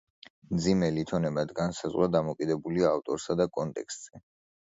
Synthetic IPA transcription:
md̪zimɛlit̪ʰɔnɛbad̪ɡansazʁwad̪amɔkʼid̪ɛbuliaːft̪ʼɔɾsad̪akʼɔnt̪ʼɛ̰kst̪ʼz̥ɛ

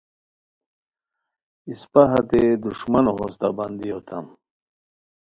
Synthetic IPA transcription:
ispaɦɐt̪ed̪uʂmɐnoɦost̪a̰bɐnd̪ijot̪ʰɐm

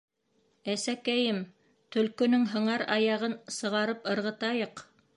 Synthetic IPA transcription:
æsækæjɘm | t̪ɵ̆lkɵ̆nɵŋɦɤ̆ɴɑɾɑjɑʁɤnsɤ̆ʁɑɾɤpɤ̆ɾʁɤ̆t̪ɑjɤq

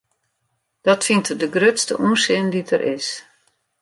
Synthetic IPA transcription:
d̥ɔtfintədəɡrøtstə̰ʔuənsɪnditʰərʔɪ̰s

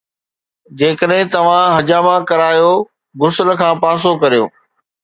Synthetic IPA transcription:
d͡ʑeːkəɗɦɪ̃t̪ɐʋ̤ãɦɐd͡ʑaːmãkɐɾaːjo | ɡʊsələ̆kʰãːpaːs̬okɐɾijo̰ː

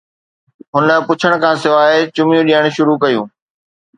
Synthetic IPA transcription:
ɦʊnə̆pʊt͡ɕʰəɽ̃kʰãːsɪʋaːet͡ɕʊmjũɗiəɽ̃ʃʊɾukɐjũː

